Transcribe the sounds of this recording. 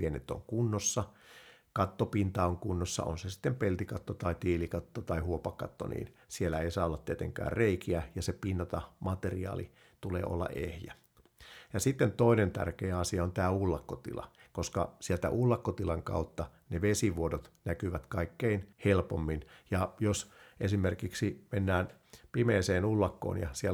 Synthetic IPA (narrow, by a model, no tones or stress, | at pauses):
ʋienːḛt̪ːo̰ŋkunːosːɑ | kɑt̪ːopint̪ɑoŋkunːosːɑ̰ʔonsesi̥t̪ːempelt̪ikɑt̪ːot̪ɑit̪iːlikɑt̪ːot̪ɑihuopɑkːɑt̪ːo̰nḭːnsielːæeisɑːolːɑt̪t̪ːiet̪eŋkæ̰ːrreikiæjɑsepinːɑt̪ɑmɑt̪eriɑ̰ːlḭ | t̪ulḛːʔo̰lːɑ̰ʔḛhjæ | jɑsit̪ːent̪oinent̪æ̰rkeːɑsiɑont̪æːulːɑkːot̪ḭlɑ̰ | koskɑ̰sielt̪æ̰ʔulːɑkːot̪ilɑŋkɑ̰ut̪ːɑ | neʋesiʋuodot̪nækyʋæt̪kɑikːeinhelpomːinjɑjosʔesimerkiksimenːæːn | pimeːseːnulːɑkːo̰ːnjɑ̰sie